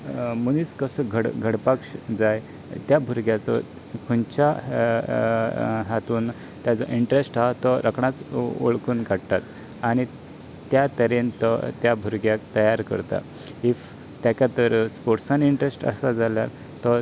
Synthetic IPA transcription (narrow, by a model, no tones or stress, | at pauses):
muniskəsəɡʱəɽɡʱəɽpakʂd͡zaj | t̪jabʱuɾɡjat͡sɔ̰ | kʰunt͡ɕa | ɦat̪uːn | t̪jad͡zɔʔiɳʈɾesʈaɦt̪ɔɾəkʰɳat͡so̰ɭkuːnɡʱaɽt̪at̪ | aɽ̃i | t̪jat̪əɾent̪ɔt̪jabʱuɾɡjak̚t̪əjaɾkə̰ɾt̪a̰ | if | t̪jakjat̪əɾspoʈsãniɳʈɾesʈə̰sad͡zaljaɾ | t̪ɔ